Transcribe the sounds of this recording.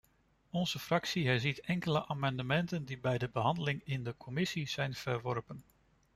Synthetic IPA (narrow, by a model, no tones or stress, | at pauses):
ɔnzəfrɑksiɦɛɹzitɛŋkələʔaːmɑndəmɛntəndibɛjdəbəɦɑndəlɪŋɪndəkʰɔmɪsiz̥ɛjnv̥əɹʋɔɹpən